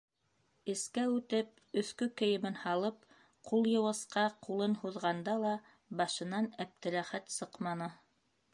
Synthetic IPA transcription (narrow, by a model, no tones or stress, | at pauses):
ɘ̆skæʉt̪ɘp̚ | ɵ̆θkɵkɘ̆jɘ̆mɘnhɑlˠɤp̚ | qulˠjɤ̆wɤ̆sqɑqulˠɤnhuðʁɑnd̪ɑlˠɑ | bɑʃɤ̆nɑnæp̚t̪ɘ̆ɾæχæt̪sɤqmɑnɤ